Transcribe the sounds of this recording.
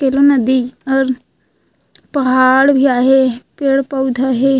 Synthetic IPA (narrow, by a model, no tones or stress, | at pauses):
keːlonəd̪iɔːɾ | pɐɦaːɽbʱiaːɦepeːɽpəʊd̪ʱaːɦe